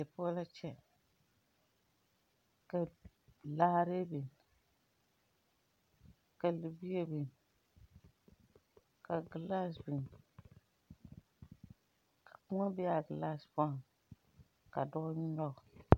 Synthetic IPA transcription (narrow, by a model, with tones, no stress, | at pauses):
jɛ˨pɔ˦la˦t͡ʃɛ˦ | ka˨ | la˦hɾe˦bi˨ | ka˨lɨ˨bi˦e˦bi˨ | ka˨ɡla˦sbi˨n | kʰa˨kʊ˦ŋɔ˦bɛ˦a˨ɡɨ˨la˦spŋ | ka˨dɔ˦ʔʊ˦ɲ˦nɔ˦ɡʊ˨